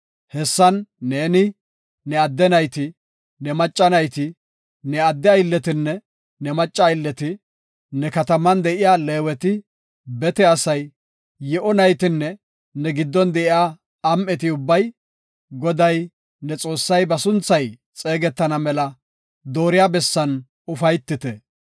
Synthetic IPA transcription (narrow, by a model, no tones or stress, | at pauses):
hɛsːɐnːe̞ːnɪ | nɛɐd̪ːɛnɐjt̪ɪ | nɛmɐt͡ʃʼːɐnɐjt̪ɪ | nɛɐd̪ːɛɐjɪlːɛt̪ɪnːɛ | nɛmɐt͡ʃʼːɐjlːɛt̪ɪ | nɛkɐt̪ɐmɐnd̪ɛʔɪjaːleːwɛt̪ɪ | bɛt̪ɛɐsɐj | jɛʔɔnɐjt̪ɪnːɛ | nɛɡɪd̪ːɔnd̪ɛʔɪaː | mʔɛt̪ɪʊbːɐj | ɡɔd̪ɐj | nɛt͡sʼo̞ːsːɐjbɐsʊnt͡sːɐj | t͡sʼe̞ːɡɛt̪ːɐnɐmɛlɐ | d̪o̞ːɾɪjabɛsːɐn | ʊfɐjt̪ːɪt̪ɛ